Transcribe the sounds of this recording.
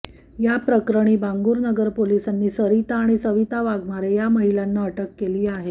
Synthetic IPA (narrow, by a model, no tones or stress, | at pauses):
japɾəkɾəɽ̃iːbaŋɡuːɾnəɡəɾpolisanːiːsəɾit̪aːɽ̃isəʋit̪aʋaɡmaɾejaməɦilanːaəʈəkːeliːaɦe